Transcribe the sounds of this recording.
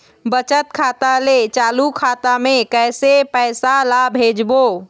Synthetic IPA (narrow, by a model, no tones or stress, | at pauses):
bət͡ʃət̪kʰat̪alet͡ʃalukʰat̪amekəjsepəɪsalabʱed͡ʒbo